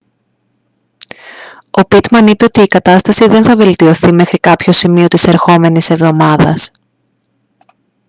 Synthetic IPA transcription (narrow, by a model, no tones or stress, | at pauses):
o̞pit̪mɐnipe̞o̞t̪iːkɐt̪ɐst̪ɐsiðe̞nθɐve̞lt̪io̞θime̞xɾikɐpço̞simio̞t̪ise̞ɾxo̞me̞nise̞vðo̞mɐðɐs